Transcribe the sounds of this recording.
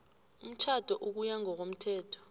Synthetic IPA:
um̩t͡ʃʰad̥ʱɔʔuk̬ujaŋʱɔk̬om̩tʰɛːtʰɔ̥

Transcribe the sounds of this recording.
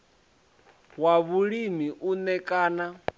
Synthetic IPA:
waβuɺimiʔunɛkʼaːna

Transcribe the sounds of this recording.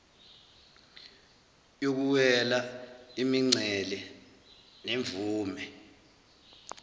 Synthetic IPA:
jok̬uwɛlaimiŋ͡ǀʱɛlɛ | neɱvuːmɛ

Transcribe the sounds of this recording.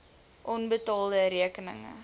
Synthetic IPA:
ʔɔnbətɑːlˠdəɾiəkənə̰ŋə̰

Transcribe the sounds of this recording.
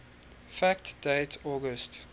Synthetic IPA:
fæktd̥eɪtʰɔːɡəst

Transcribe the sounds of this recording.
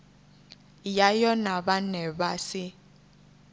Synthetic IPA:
jajɔnaɓanɛbasɪ

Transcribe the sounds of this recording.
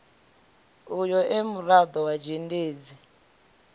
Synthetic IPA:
ujɔʔɛmuɾad̪ɔwad͡ʒendeːd͡zi

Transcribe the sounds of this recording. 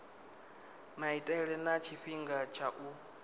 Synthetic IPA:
maitʼɛɺɛnat͡ʃʰiɸiŋɡat͡ʃʰaʔu

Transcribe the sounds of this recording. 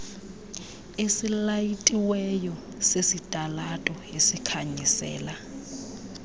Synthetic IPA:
esilajitʼiwɛjɔ | sesitʼalatʼɔesikʰaɲisɛ̰ːla

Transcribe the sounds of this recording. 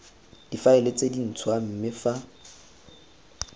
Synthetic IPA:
d̥ifaɪlet͡sʼedin̩t͡sʰwam̩mɪfa

